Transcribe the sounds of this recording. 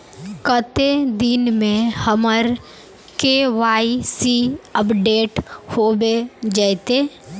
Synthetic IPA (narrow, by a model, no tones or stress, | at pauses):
kət̪ed̪ɪnmẽhəməɾ | keʋaːisiəpɖeːʈhoːbed͡ʒəːt̪eː